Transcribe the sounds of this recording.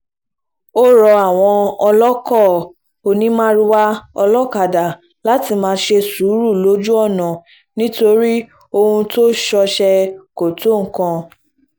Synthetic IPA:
o˦ɾɔ˧a˨w̃ɔ̃˧ɔ˧lɔ˦kɔ˦˨ | o˧nĩ˦mã˦ɾi˦wa˦ɔ˧lɔ˦ka˨da˨ | la˨˦ti˧mãː˧˦ʃe˧su˨˦ɾu˦˨lo˨˦d͡ʒu˦ɔ˦˨nã˨ | nĩ˦to˧ɾi˦ | o˧hũ˧to˦ʃɔ˧ʃɛ˧ko˨to˨˦ŋ̩˨kã˧

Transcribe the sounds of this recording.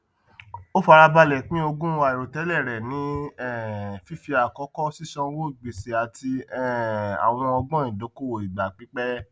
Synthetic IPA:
o˦fa˧ɾa˧ba˧lɛ˨k͡pĩ˦o˧ɡũ˦a˨i˨ɾo˨tɛ˨˦lɛ˦˨ɾɛ˨nĩ˨˦ɛ˦˨fi˦fi˧a˨kɔ˨˦kɔ˦si˦sɔ̃˧˦wo˦i˦˨ɡ͡be˨se˨a˨ti˧ɛ˦˨a̰˨w̃ɔ̃˧ɔ˧ɡ͡bɔ̃˦ĩ˨do˨˦ko˦˨wo˨i˨ɡ͡ba˨k͡pi˨˦k͡pɛ˦

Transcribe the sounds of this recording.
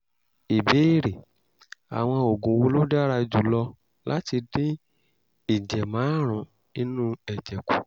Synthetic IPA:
i˨be˨˦i˦˨ɾe˨ | a̰˨w̃ɔ̃˧o˨ɡũ˨˦wo˧lo˦da˦ɾa˧d͡ʒu˨lɔ˧ | la˦ti˧dĩ˦ | i˨d͡ʒɛ˨mãː˨˦ɾ̃ũ˨˦ | i˧nũ˦ɛ˨d͡ʒɛ˨ku̥˨

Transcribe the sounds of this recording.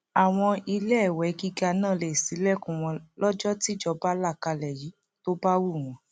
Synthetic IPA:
a˨w̃ɔ̃˧i˧lɛ˦˨wɛ˨˦ɡi˦ɡa˧nãː˦˨le˨si˨˦lɛ˦˨kũ˨w̃ɔ̃˧lɔ˦d͡ʒɔ˦ti˦d͡ʒɔ˧ba˦la˦˨ka˧lɛ˨ji˨˦ | to˦ba˦wu˦˨w̃ɔ̃˨˦

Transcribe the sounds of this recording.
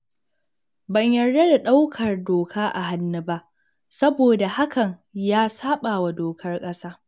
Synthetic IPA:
bɐ˨ɲjɐ˨rde˦da˨ɗa˦wkʰɐ˨rdoː˨kʰaː˦ʔa̰˨ɦa˦nːɐ˦ba˦ʔ | sɐ˦boː˨da˨ha˦kɐ˨ɲjaː˦saː˦ɓaː˨wa˨doː˨kʰɐ˦rkʼɐ˦saː˦

